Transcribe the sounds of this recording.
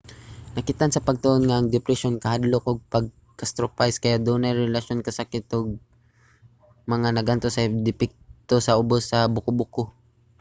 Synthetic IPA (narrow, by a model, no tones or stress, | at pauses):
nɐkɪt̪ansɐpɐɡ̚t̪ʊʔonŋaʔːŋd̪ɪpɾɛʃonkɐhad̪lokʔoɡ̚pɐɡ̚ | kɐst̪ɾopajskɐjaʔd̪onajɾɛlaʃonkɐsakɪt̪ʊɡ̚ | mɐŋanɐɡʔant̪osɐd̪ɪpɪk̚t̪osɐʊbosːɐbʊkʊbʊko